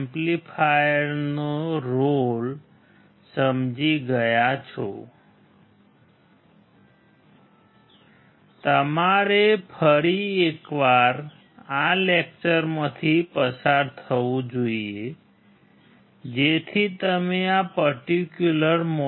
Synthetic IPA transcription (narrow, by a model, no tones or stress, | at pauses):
mplifʰajəɾnoɾol | səmd͡ʒiɡəjat͡ʃʰɔ̰ | t̪əmaɾepʰəɾiekʋaɾ | alek̚t͡ʃəɾmət̪ʰipəsaɾt̪ʰəʋũd͡ʒoie | d͡ʒet̪ʰit̪əmeapəɾʈikjuləɾmo